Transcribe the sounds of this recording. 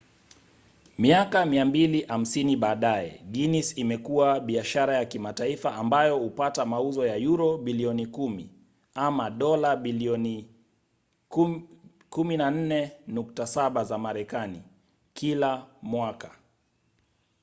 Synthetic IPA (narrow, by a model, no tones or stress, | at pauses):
miakamiambiliʔam̩siniɓaːɗaɛ̰ɡinisimɛkuwaɓiaʃaɾajakimataifaʔːmbajɔhupatamauzɔjajuɾɔɓiliɔnikumi | amaɗɔlaɓiliɔni | kuminan̩nɛnuktasaɓazamaɾɛkani | kʰilamwakḁ